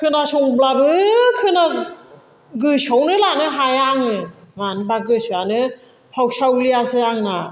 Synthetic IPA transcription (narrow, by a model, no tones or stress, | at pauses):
kʰɯnasɔŋblabɯkʰɯna | ɡɯsɔwnɯlanɯɦajaŋɯmanbaɡɯsanɯ | pʰawsawlijasɯaŋna